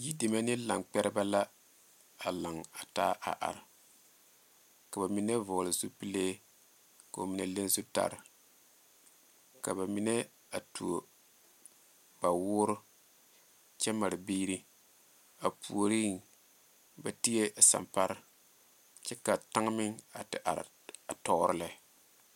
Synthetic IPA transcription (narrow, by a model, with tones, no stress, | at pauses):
ji˦de˨ma˦nɪ˦la˨ŋk͡pɛ˦ɾɪ˦ba˦la˦ | a˨la˨ŋa˨ta̰˦ʔa̰˨ʔa̰˨ɾɪ˨ | ka˨ba˨mi˦nɛ˦vʊ˨lɪ˨zu˦pi˦leː˦ | ka˨o˨mi˨ne˨le˦n˦zu˦ta̰˦˨ɾɪ˨ | ka˨ba˨mi˦ne˦ | a˨tu˨o˨ | ba˨wʊː˦ɾʊ˦ | t͡ʃɛ˦ma˨ɾɪ˨biː˦ɾi˦ | a˨pʰu˨o˨ɾi˦ŋ | ba˨ti˦e˦˨sa̰˨mpa˦ɾɪ˦ | t͡ʃɛ˦ka˨ta˦ŋ˦mɪ˦ŋa˨tɪ̰˨ʔa̰˨ɾ̰ | a˨tɔ˦ʔɾɪ˦lɛ˨˦˨